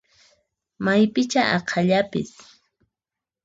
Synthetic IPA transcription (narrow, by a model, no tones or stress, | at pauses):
majpɪt͡ʃaʔɑqʰɑʎapɪ̰s